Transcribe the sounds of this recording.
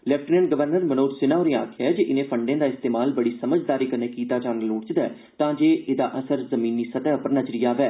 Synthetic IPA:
lɛpʈnenɡəʋəɾnəɾmənoːʈsɪnaːʊɾẽːa̰ːkʰjaːɛd͡ʒeːʔɪnẽːpʰəɳɖẽːd̪aːɪst̪eːmaːlbəɽiːsəməd͡ʒd̪aːɾiːkəneːkiːt̪aːd͡ʒaːnəloːʈt͡ʃd̪ɛ̰ː | t̪ãːd͡ʒeːʔed̪aːʔəsəɾzəmĩːniːsət̪ɛːʊpəɾnəd͡ʒɾiːaːʋɛː

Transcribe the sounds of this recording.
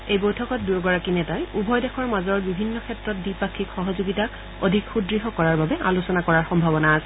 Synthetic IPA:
ejbojtʰɔkɔt̚duɡɔɹakinɛtajubʱɔjdɛkʰɔɹmazɔɹbibʱinːɔkʰɛtɹɔt̚dipakʰːikxɔɦɔzuɡita | odʱikxudɹiɦɔkɔɹaɹbabɛa̰lusɔnakɔɹaɹxɔmbʱabɔnaːsɛ

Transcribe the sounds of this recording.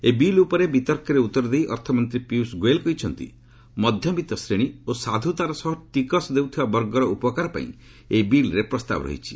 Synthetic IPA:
ebilupɔɾebit̪ɔɾkɔɾeut̪ːɔɾɔd̪ejʔɔɾt̪ʰɔmɔnt̪ɾipiusɡoelkɔit͡ʃʰɔnt̪ḭ | mɔd̪ʱjɔbit̪ɔsɾeɽ̃iosad̪ʱut̪aɾɔsɔɦɔʈikɔsd̪ewt̪ʰibabɔɾɡɔɾɔupɔkaɾɔpã̰ḭ̃ | ebilɾepɾɔst̪a̰bɔɾɔ̰ɦḭt͡ʃʰi̥

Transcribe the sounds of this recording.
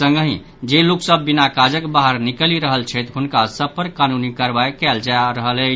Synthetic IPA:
sə̃ŋɡɦĩ | d͡ʒeluksəbːinakad͡ʒəkbaɦəɾnikəliɾəɦəlt͡ʃʰət̪ɦunkasəb̚pəɾkanunikəɾbajkɛld͡ʒaɾəɦələ

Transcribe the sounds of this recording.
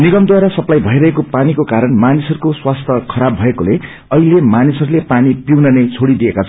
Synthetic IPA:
niɡʌmd̪waɾasʌplajbʱʌiɾʌɦekopanikokaɾʌnmanisʌɾukoswast̪ʰʌkʰʌɾabʱʌekole | ʌɦilemanisʌɾulepanipiwnʌnʌjt͡sʰoɽid̪iekat͡sʰʌn

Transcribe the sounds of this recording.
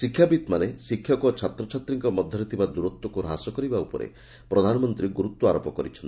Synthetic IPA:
sikʰːjabit̪manesikʰjɔkɔt͡ʃʰat̪ɾɔt͡ʃʰat̪ɾiŋkɔmɔd̪ʱːɔɾit̪ʰibad̪uɾot̪wɔkuɾɔɦasɔkɔɾibaupɔ̰ɾḛ | pɾɔd̪ʱanɔmɔnt̪ɾiɡuɾut̪wɔaɾopɔkɔɾit͡ʃʰɔnt̪

